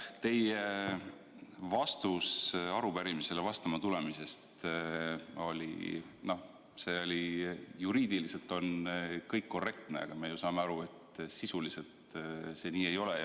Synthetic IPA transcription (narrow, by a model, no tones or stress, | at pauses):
t̪e̞je | vɑst̪usɑɾupæɾimise̞levɑst̪ɑmɑt̪ule̞mise̞st̪ | o̞lʲḭ | no̞ | se̞olʲijuɾiːd̪ilise̞lt̪ˑo̞nkɤjkːo̞rːe̞kt̪ne̞ɑ̰ɡ̥ɑmejusɑːmeɑɾue̞t̪sisulise̞lt̪se̞niːe̞jo̞lej